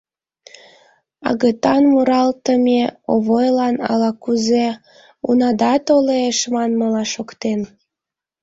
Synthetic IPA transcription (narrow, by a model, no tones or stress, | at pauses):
ɑ̰ɣət̪ɑnmuɾɑlt̪əmeoβojlɑnɑ̰lɑkuze | ṵnɑd̪ɑt̪oleeʃmɑnməlɑʃokt̪en